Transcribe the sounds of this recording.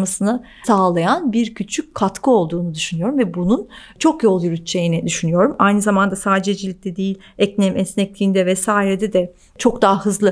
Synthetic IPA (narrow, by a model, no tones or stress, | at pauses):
masɯnɯ | saːlˠajanbiɾcʰyt͡ʃʰycʲkʰat̪kʰɯo̞lˠd̪uːnud̪yʃynyjo̞ɾumvɛbunun | t͡ʃʰo̞kjo̞lˠjyɾyt̪t͡ʃʰːejinɛd̪yʃynyjo̞ɾumajnɯzamand̪asaːd̪d͡ʒed͡ʒilʲic̚t̪ʰɛd̪ejilʲɛcnʲɛmʔɛsnɛc̚lʲiːnd̪ɛvɛsaːiɾed̪ɛd̪ɛ | t͡ʃʰo̞kd̪aɦahɯzlˠɯ